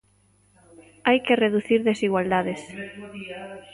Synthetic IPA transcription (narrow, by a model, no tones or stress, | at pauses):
ajkereðuθiɾðesiɣwald̪aðes